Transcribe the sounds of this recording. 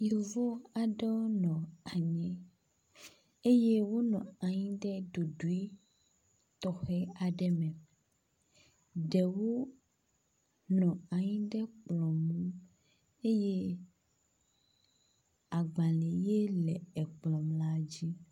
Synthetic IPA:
jo˨vo˦a˨ɖɛ˦wo˦nɔ̃˨a˨ɲɛ̃˦ | e˦je˦wo˦nɔ̃˨a˨ɲĩ˦ɖɛ˦ɖo˨ɖu˨i˦ | t̪ɔ˨xɛ˦a˨ɖɛ˦mɛ̃˨ | ɖɛ˨wo˦ | nɔ̃˨a˨ɲĩ˦ɖɛ˦k͡plɔ̃˨mũ˦ | e˦je˦ | a˨ɡ͡ba˨lɛ˨je˦lɛ˨ɛ˨k͡plɔ̃˨mla˦d͡ʑi˦

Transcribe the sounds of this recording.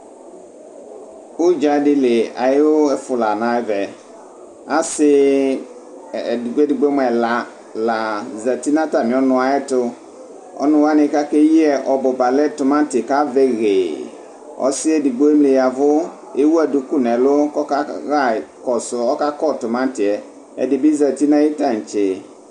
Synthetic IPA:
ʊ˦d͡ʒa˨˦dɪ˦le˨a̰˨jɪ˦o˦ɛ˦fʊ˨la˨nã˨˦vɛ˨ | a˦sɪ˦˨ | di˨ɡ͡bo˦dɪ˨ɡ͡be˦m˦ɛ˨la˨ | la˨zɛ˨ti˦nã˦ta˨mɪ̃˨ɔ˦nʊ̃˨a˨ɛ˦tʊ˦ | ɔ̰˦nʊ̃˨wa˦nɪ̃˨ka˦ke˦ji˦ɛ˨ʔɔ˨bʊ˨ba˨lɛ˦tʊ˨mã˦tɪ˨ka˦vɛ˦ɣe˨ | ɔ̰˦sɪ˦ɛ˦di˨ɡ͡bo˦e˦mle˨ja˨vʊ˦ | e˦wu˦a˨du˨ku˦˨nɛ˨lʊ˦kɔ˦ka˦ɣa˦˨kɔ˨sʊ˨ɔ˦ka˦kɔ˦˨tʊ˨mã˦n˦tɪ˨ɛ˨ | ɛ̰˨dɪ˨bɪ˦za˨ti˦nã˦ji˦ta˨n̩˨t͡ʃɪ˨

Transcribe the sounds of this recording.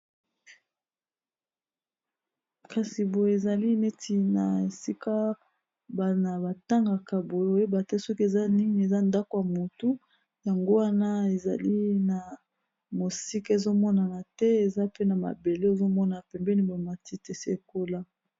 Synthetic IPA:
ka˨si˨bo˨jo˨e˨za˨li˦ne˦ti˨na˨e˨si˦ka˦ | ba˨na˨ba˨ta˦ŋɡa˨ka˨bo˨jo˨je˦ba˨tɛ˦sɔ˦ki˦e˨za˦ni˦ŋi˨e˨za˦nda˦ko˨ja˨mo˨tu˦ | ja˨ŋɡo˦wa˦na˦e˨za̰˨li˦na˨ | mo˨si˦ka˦e˨zo˦mɔ˦na˨na˨tɛ˦e˨za˦pe˦na˨ma̰˨be˨le˦e˨zo˦mɔ˦na˨pɛ˨mbɛ˦ni˦bo˨ma˨ti˦te˨se˦e˨ko˦la˦

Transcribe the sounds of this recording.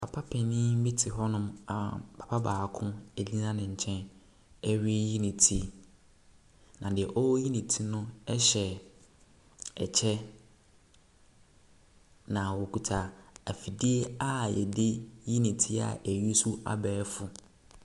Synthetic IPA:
pʰa˨pʰa˦pʰɛ˨nɪ̃˦mĩ˦tʰɪ˨ɦɔ˦nʊ̃˦ma˨pʰḁ˨pʰa˦baː˨kʰʊ̃˦ɛ˨lĩ˦nã˦nɪ̃˨ɲ̩˨t͡ɕʰɛ̃˦n | ɛ˦ɥi˦ji˦nɪ̃˨tʰi˦ | nã˨dɪ˨ɛ˨ʔɔ˦wji˦nĩ˨tʰi˦nʊ̃˦ɛ˦ɕɛ˨ | ɛ̰˨t͡ɕʰɛ˦ | nã˨wɔ˨kʰu˨tʰa˨æ˨fi˨di˦e˦a˦jɛ̰˨dɪ˦ji˦nĩ˨tʰi˦a̰˨ʔɛ˨ɥi˦su˦a̰˨bɛː˨˦fʊ˨

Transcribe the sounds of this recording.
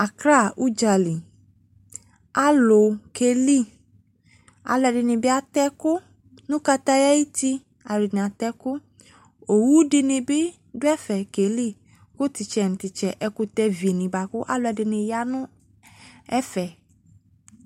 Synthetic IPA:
a˨kɾa˦˨u˦d͡ʒa˨li˨ | a˦lo˨ke˧li˦˨ | a̰˨lʊ˨ɛ˧˨dɪ˧nĩ˨bɪ˦a˦t̪ɛ˦kʊ˦ | nũ˦ka˧t̪a˦ja˦ji˦t̪i˧ | a˨di˨nĩ˨a˨t̪ɛ˦kʊ˦ | o˨wu˦dɪ˧nĩ˧bɪ˦ | dʊ˦ɛ˦fɛ˨ke˨li˦˨ | kʊ˦t̪i˨t͡ʃɛ˨ñ̩˨t̪i˨t͡ʃɛ˨ʔɛ˧ku˧t̪ɛ˧vi˨nĩ˨ba˨kʊ˦ʔa˦lʊ˧ɛ˨dɪ˧nɪ̃˧ja˦nʊ̃˦ | ɛ˦fɛ˨

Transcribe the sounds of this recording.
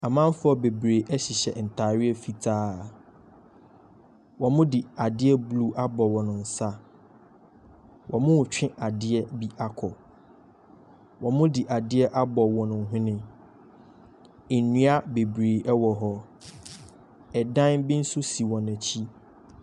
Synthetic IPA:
a˨mã˦fʊ˦ɔ˨be˨bɾe˨ʔɛ˦ɕi˨ɕɛ̰˨n̩˨tʰaː˨ɾɪ˦ɛ˦fi˦tʰaː˦ | wɔ̃˨mʊ̃˦di˨a˨dɪ˦ɛ˦blu˦ʔa˦bɔ˨wɔ̃˨nʊ̃˨n̩˨sa˦ | wʔɔ̃˨mʊ̃˦wt͡ɕᶣɪ̃˦ʔa˨dɪ˦ɛ˦bi˦ʔa˦kʰɔ˨ | wʔɔ̃˨mʊ̃˦dɪ˨ʔa˨dɪ˦ɛ˦ʔa˦bɔ˨wɔ̃˨nʊ̃˨ɦʊ̃˦nɪ̃˦ | e˨nũ˦a˦be˨bɾeː˨ʔɛ˦wɔ˨ɦɔ˦ | ɛ˨dã˦nbɪ̃˦n̩˦sʊ˦si˨wɔ̃˨næ̃˨t͡ɕʰi˦

